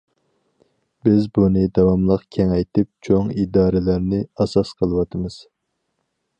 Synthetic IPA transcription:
bɪzbunɨd̪ɑwɑmlˠəqkʲʰɛŋɛjt̪ʰɪp̚t͡ʃʰoŋid̪ɑːɾɪlæɾnɪɑsɑsqʰəlˠɨwɑt̪ʰɨmɨz̥

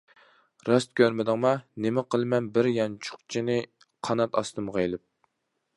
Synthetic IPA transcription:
ɾɑst̪̚kʲøɾmɪd̪ɨŋmɑnɪmɪqʰəlˠɨmɛnbɪɾjɑnt͡ʃʰʊ̥χt͡ʃʰinɪ | qʰɑnɑt̪ɑ̰st̪ɨmʁejlˠɪp̚

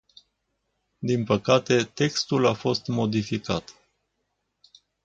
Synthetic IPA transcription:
d̪inpəkat̪e̞t̪e̞kst̪ulafo̞st̪mo̞d̪ifikat̪

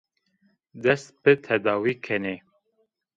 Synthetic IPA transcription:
d̪ɛst̪pɨt̪ʰɛd̪ɑːwiːkʰɛne

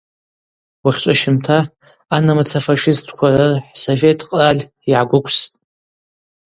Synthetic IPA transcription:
waχʲt͡ʃʷʼaʃɪmtʰaː | namat͡sʰafaʂɪstʰkʷʰarɨħsovetʰqʼralʲ | iʕaɡʷʊkʷʰʼstʼ

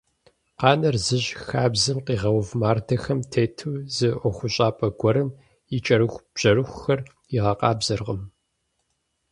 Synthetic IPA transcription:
qɑːnɐrzɨʑxaːbzɨmqiːʁɐwvmaːrdɐxɐmtʰeːtʰɨwzɨʔʷɔxʷʊɕʼaːpʼɐɡʷɔɾɨm | it͡ʃʼɐɾɨxʷb̥ʑ̥ɐɾɨxʷʊxɐr | iʁɐqɑːbzɐrʁəm

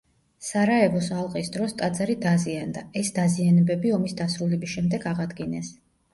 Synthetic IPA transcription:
saɾaɛvɔsalˠqʼisd̪ɾɔst̪ʼad̪zaɾid̪aziand̪aɛsd̪azianɛbɛbiɔmisd̪asɾulɛbisʃɛmd̪ɛɡaʁad̪ɡinɛs

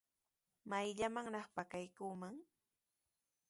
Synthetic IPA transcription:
majʎamaŋɾɑχpakajkuːmaŋ

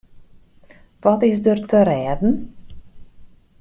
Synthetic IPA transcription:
ʋɔtɪs̬dərtəɾɛːdn̩

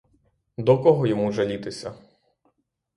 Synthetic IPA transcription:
d̪ɔkɔɦɔjɔmuʒɐlʲit̪ɪsʲɐ̰

